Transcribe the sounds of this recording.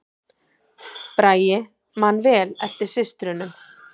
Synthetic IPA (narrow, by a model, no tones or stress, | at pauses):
pɾaːjɪ | manːvɛːlɛft̪ɪɾ̥sɪst̪ɾʏnʏm